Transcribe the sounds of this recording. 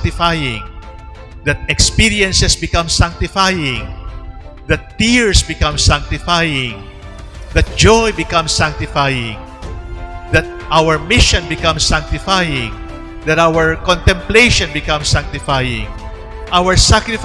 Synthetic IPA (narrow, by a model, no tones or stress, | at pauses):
t̪ɪfajɪ̃ŋ | d̪ɐt̪̚ɛkspiɹiɛ̃nsɛsbɪkãmsãŋk̚t̪ɪfajɪ̃ŋ | d̪ɐt̪ːiɹsbɪkãmsãŋk̚t̪ɪfajɪ̃ŋ | d̪ɐt̪̚d͡ʒojbɪkɐ̃msãŋk̚t̪ɪfajɪ̰̃ŋ | d̪ɐt̪̚ʔawɛɹmɪʃɔ̃nbɪkãmsːãŋk̚t̪ɪfajɪ̃ŋ | d̪ɐt̪awɛɹkɔ̃nt̪ɛ̃mplejʃɔ̃nbɪkãmsãŋk̚t̪ɪfajɪ̰̃ŋ | ʔawəɹsakɾɪf